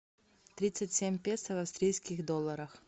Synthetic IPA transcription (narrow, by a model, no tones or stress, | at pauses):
t̪ɾʲit̪sɨtʲsʲemʲpʲest̪əvɐfst̪ɾʲijskʲɪxd̪olˠːəɾəx